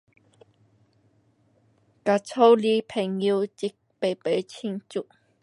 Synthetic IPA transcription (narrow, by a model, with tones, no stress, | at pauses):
ka˨˩t͡sʰo˦wli˧pʰe˨˩ŋːi˧t͡ɕi˧˥k̚pe˨˩˨pe˨˧˦t͡ɕʰi˧ŋt͡ɕu˧˨ʔ